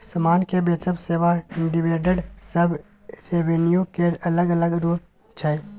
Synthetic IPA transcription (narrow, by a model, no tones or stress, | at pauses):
səmaːnkebeːt͡ʃəbseːʋaɪ̃ɖibeːʈəɖsəbʱ | ɾeʋenijũkeɐləɡələɡɾoːl | t͡ʃʰɛː